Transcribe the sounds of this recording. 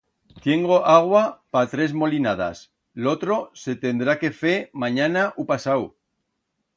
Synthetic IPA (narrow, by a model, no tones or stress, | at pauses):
t̪je̞ŋɡo̞ʔaɣ̞wapat̪ɾe̞zmo̞linað̞a̰s | lo̞t̪ɾo̞se̞t̪e̞nd̪ɾake̞femaɲanaʔupasaw